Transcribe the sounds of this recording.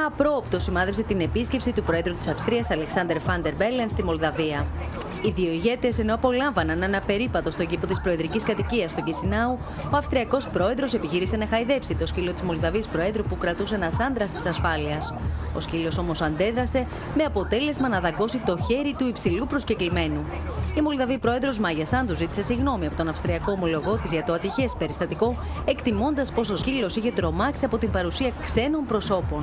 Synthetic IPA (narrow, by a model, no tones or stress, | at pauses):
ɐpɾo̞ːpt̪o̞simɐðepse̞t̪ine̞pisce̞psit̪upɾo̞e̞ðɾut̪isɐfst̪ɾiɐsɐle̞ksɐnd̪e̞ɾfɐnd̪e̞ɾbelenst̪imo̞ld̪ɐviɐ | iðio̞iʝe̞t̪ese̞no̞ɐpo̞lɐɱvɐnɐnenɐpe̞ɾipɐt̪o̞st̪oɟipo̞t̪ispɾo̞eðɾiciskɐt̪iciɐst̪o̞cisinɐu | oɐfst̪ɾiɐko̞spɾo̞e̞ðɾo̞se̞piçiɾise̞nɐxɐiðe̞psit̪o̞scilo̞t̪izmo̞ld̪ɐviɐspɾo̞e̞ðɾupukɾɐt̪us̬enɐsɐnd̪ɾɐst̪i̥sɐsfɐliɐso̞̰scilo̞so̞mo̞sɐnd̪e̞ðɾɐse̞ | me̞ɐpo̞t̪e̞le̞zmɐnɐðɐɡo̞sit̪oçe̞ɾit̪uipsilupɾo̞sceklime̞nu | imo̞lðɐvipɾo̞e̞ðɾo̞zmɐʝɐsɐnd̪uzit̪i̥se̞siɣno̞miɐpo̞t̪onɐfst̪ɾiɐko̞ːmo̞lo̞ɣo̞t̪izʝɐt̪oɐt̪içe̞spe̞ɾist̪ɐt̪iko̞ | e̞kt̪imo̞nd̪ɐspo̞so̞scilo̞siçe̞t̪ɾo̞mɐksiɐpo̞t̪imbɐɾusiɐkse̞no̞mpɾo̞so̞po̞n